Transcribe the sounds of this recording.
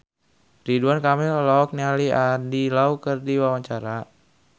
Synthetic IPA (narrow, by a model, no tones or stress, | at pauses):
riduankamɛllɔɔk̚nialiʔandilaukərdiwawaɲt͡ʃaɾa